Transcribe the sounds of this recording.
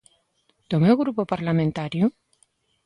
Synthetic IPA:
d̪̥omewɣɾupopaɾlamẽnt̪aɾjʊ

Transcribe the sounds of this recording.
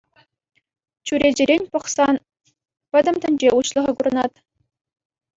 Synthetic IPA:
t͡ɕuɾʲed͡ʑɘ̆ɾʲenʲpɤ̆χsɑn | pʲɘ̆d̪ʲɘ̆mt̪ʲɘ̆nʲd͡ʑeuɕlˠɤ̆ʁɤ̆kuɾɤ̆nɑt̪

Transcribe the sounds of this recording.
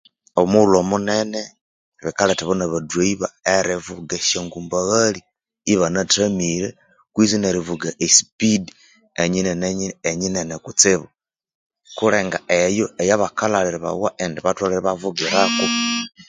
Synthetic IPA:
oβmulomunene | βikaleteβonaβadweiβaeɾivuɡeʃeŋɡumbaɣaliː | βanatamiɾe | kwizineɾivuɡaʔesi̥pid | eɲineneɲiːɲinenekut͡sɪβu | kuleŋɡaʔejoejaβakalaliɾiβa̰waʔendiβatwaleɾiβavuɡiɾaku

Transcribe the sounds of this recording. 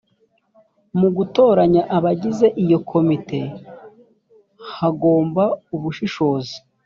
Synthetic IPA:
muɡuto̞ːɾaɲaʔaβaɟize̞ʔijo̞kʰo̞mite̞ | haɡo̞ːmbauβuʃiʃo̞ːzi̥

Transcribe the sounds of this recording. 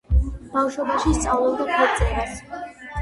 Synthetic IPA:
b̥afʃwɔbaʃist̪sʼavlˠɛlˠd̪ɔpʰɛɾt̪sʼiba

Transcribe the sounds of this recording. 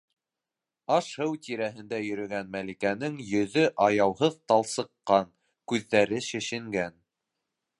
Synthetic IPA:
ɑʃhɤwt̪iɾæɦɘ̆nd̪æjɵ̆ɾɵ̆ɡænmælikænɘŋjɵ̆ðɵʔɑjɑwɦɤðt̪ɑlˠsɤ̆qːɑŋ | kʉðːæɾɘʃɘ̆ʃɘ̆ŋɡæn

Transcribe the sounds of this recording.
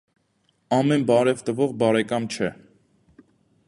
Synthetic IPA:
ɑmɛnbɑɾɛvt̪əvɔʁbɑɾɛkɑmt͡ʃʰɛ

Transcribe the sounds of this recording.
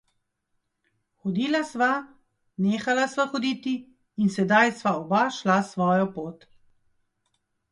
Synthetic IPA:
xɔd̪iːlasʋa | neːxalasʋaxɔd̪iːt̪iː | nsɛd̪ajsʋaɔbaʃlasʋɔːjɔpoːt̪

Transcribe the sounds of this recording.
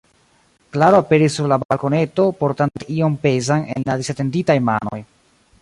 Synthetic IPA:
klaɾoape̞ɾisːuɾlabalko̞ne̞to̞po̞ɾtanteio̞mpe̞zanḛnladisate̞nditajma̰no̞̰j

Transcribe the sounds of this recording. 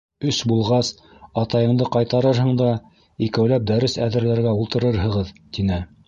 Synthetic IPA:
ɵsbulˠʁɑs | ɑt̪ɑjɤ̆ɴd̪ɤqɑjt̪ɑɾɤɾɦɤ̆ɴd̪ɑ | ikæwlæp̚d̪æɾɘsæðɘ̆ɾlæɾɡæulˠt̪ɤ̆ɾɤɾɦɤ̆ʁɤðt̪inɘ

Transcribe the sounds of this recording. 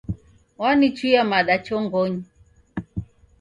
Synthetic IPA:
wanit͡ʃujamaɗat͡ʃɔŋɡɔɲi

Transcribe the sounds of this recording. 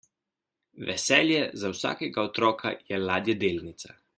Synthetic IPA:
ʋɛ̰sɛːljɛzawsa̰ːkɛɡaɔt̪ɾɔːkʰa̰jɛlaːd̪jɛd̪eːlnit̪sa

